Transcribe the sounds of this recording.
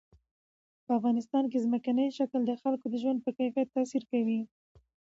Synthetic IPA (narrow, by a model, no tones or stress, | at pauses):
pəafɣɑnɪst̪ɑnkezməkanəjʃakld̪əxalkod̪əʒwand̪̚pəkajfjat̪ːɑsiɾkawi